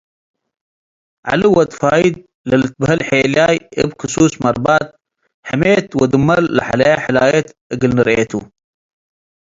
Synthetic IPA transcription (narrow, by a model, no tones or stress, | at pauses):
ʕa̰luwɐt̪faːjid̪̚ | lɐlɨt̪̚bhɐlħeːljaːjə̰bkusuːsmɐɾbaːt̪̚ | ħameːt̪wɐd̪umɐlːa̰ħalɐjaħalaːjet̪əɡəlnəɾeːt̪ʰṵ